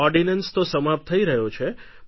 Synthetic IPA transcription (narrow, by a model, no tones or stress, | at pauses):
ɔɾɖinənst̪osəmapt̪ʰəiɾəɦjot͡ʃʰe